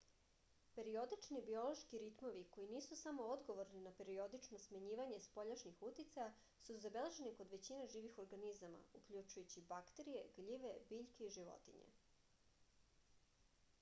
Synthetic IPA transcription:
pe̞ɾio̞d̪it͡ʃnibio̞lo̞ʃkiɾit̪mo̞ʋiko̞iniːsusamo̞od̪ɡo̞ʋo̞ɾninape̞ɾio̞d̪it͡ʃnosmaɲiːʋaɲe̞spo̞ʎaʃɲixut̪it̪saja | suzabe̞le̞ʒe̞niko̞d̪ʋe̞t͡ɕineʒiːʋixo̞ɾɡanizama̰ukʎut͡ʃujut͡ɕibakt̪e̞ɾije̞ɡʎiʋe̞biʎkeiʒiʋo̞̰t̪ḭɲḛ

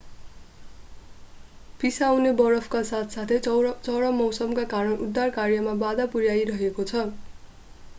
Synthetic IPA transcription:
pisawnebʌɾʌpʰkasat̪ʰsat̪ʰet͡sʌɽʌmʌwsʌmkakaɾʌnud̪ːarkarjʌmabad̪apurjajɾʌɦekot͡sʰʌ

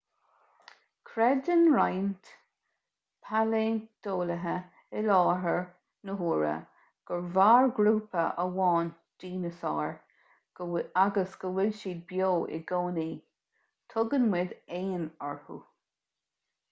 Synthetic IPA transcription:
kʰɾɛdənɹajnt̪ | pʰaleːd̪̥oːləɦə | ɪlɑːɦəɹ | nəɦuːɹə̰ | ɡ̥əɹvaːɹɡɾuːpəʔəwɑːn | d̥iːnəsɑːɹ̥ | aɡəsɡ̥əwɪlʃiːd̪̚bjoːʔɪ̰ɡoːniː | t̪ʰʊɡənwɪd̪eːnɔɹhṵ

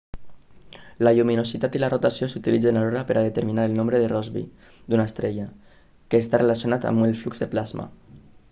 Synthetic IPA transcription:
laʎuminosit̪at̪ilarot̪asjosut̪ilid͡zenaloɾapeɾaðet̪eɾminaɾelnõmbɾeðerɔzβḭ | d̪unaest̪ɾeʎa | keːst̪arelasjonat̪a̰melflukzðeplazma̰

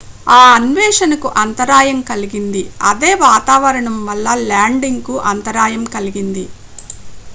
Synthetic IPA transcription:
aːɐnʋɛːʂɐnɐkuʔɐnt̪ɐɾaːjɐmkɐliɡind̪iɐd̪e̞ːʋaːt̪aːʋɐɾɐɳɐmʋɐlːɐlaːɳɖiŋɡkuʔɐnt̪ɐɾaːjɐmkɐliɡind̪i

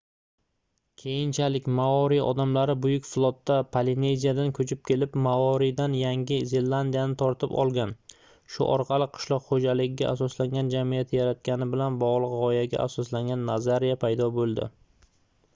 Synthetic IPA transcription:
kʲʰe̞jɪnt͡ʃʰalɪkʲmaɒɾiɒ̰d̪amlaɾɪbʊjʊkʲflˠɒt̪ːapʰaline̞jzijad̪ankʰɵt͡ʃʰɪp̚kʲʰe̞lɪpmaɒɾid̪anjaŋʲɪze̞lːand̪ijanɪt̪ʰɒɾt̪ʰɪpɒ̰lˠɡʲan | ʃʊ̰ʔɒɾqʰɑlˠɪqʰɨ̥ʃlˠɒqχod͡ʒalɪɡʲɪɡʲa̰ʔasɒslaŋɡʲand͡ʒamijat̪ʰɪjaɾat̪̚kʲanɪbɪlanbɒʁlˠɨqʁɒjaɡʲa̰ʔasɒslaŋɡʲanːazaɾijapʰajd̪ɒbolˠd̪ɪ̰

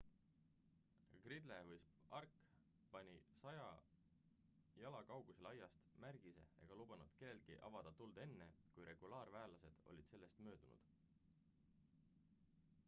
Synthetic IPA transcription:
ɡ̥rid̪levɯjspɑrk | pɑnʲisɑjɑ | jɑlɑkɑwɡ̥use̞lɑjɑst̪mærɡ̥ise̞̰ḛɡ̥ɑlub̥ɑnud̪̥ke̞lːe̞lɡ̥iʔɑ̰vɑd̪̥ɑt̪uld̪̥e̞nːe̞kujɾe̞ɡ̥ulɑːrvæːlɑse̞d̪̥o̞̰lʲid̪̥se̞lːe̞st̪mø̞ːd̪̥unṵd̪̥

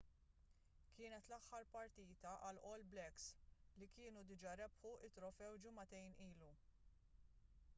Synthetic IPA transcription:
kʰɪːnɛt̪lɐħːɐɾpɐɾt̪iːt̪ɐʔɐlʔɔːlblɛkslikɪːnud̪ɪd͡ʒɐɾɛpħuʔɪt̪ːɾɔfɛwd͡ʒɪmɐt̪ɛjniːlu

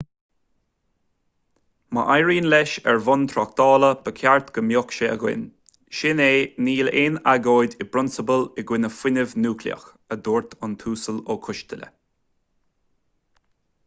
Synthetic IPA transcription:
mə̰ʔajɹiːnlɛʃɛɹvʊnt̪ʰɾɔk̚t̪ɑːləb̥əkʰjaɹt̪ɡ̥əmjokʃeəɡwɪ̰n | ʃɪneːniːlenaɡoːjdɪbɾʊnsəbəlɪɡwɪnəfwɪnəvnuːkʰlḭə̰x | əd̪uːɹt̪ʰʊnt̪ʰuːsəloːkʰʊʃt̪ələ̰

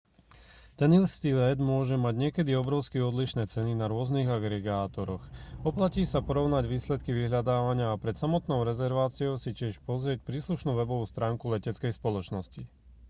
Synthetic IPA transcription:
t̪ɛnilst̪ilɛd̪mʊɔʒɛmaɟɲɪɛkɛd̪iɔbɾɔʊskiɔd̪liʃnɛːt͡sɛninaɾʊɔzniɣaɡɾɛɡaːt̪ɔɾɔxɔplaciːsapɔɾɔʊnaɟʋiːslɛt̪kiʋiɦʎad̪aːʋaɲɪaːpɾɛt̪samɔt̪nɔʊɾɛzɛɾʋaːt͡siɔʊsicɪɛʃpɔzɾɪɛc̚pɾiːsluʃnuːʋɛbɔʋuːst̪ɾaːŋkulɛcɛt͡skɛjspɔlɔt͡ʃnɔsci

